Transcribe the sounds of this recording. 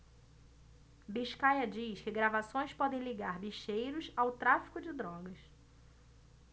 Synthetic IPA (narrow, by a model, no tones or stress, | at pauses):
biʃkajɐd͡ʒiʃkɪɡɾavasõj̃spɔd̪ẽj̃liɡaɾbiʃejɾʊsawt̪ɾafi̥kʊd͡ʒɪd̪ɾɔɡɐs